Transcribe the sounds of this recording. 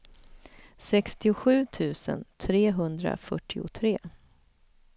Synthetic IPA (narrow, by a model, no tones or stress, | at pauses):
sɛkst̪ɪʊɧʉ̟ːt̪ʰʉ̟ːsə̰nt̪ʰɾeːɦɵnd̪ɾa̰fœʈʰːɪʊt̪ʰɾeː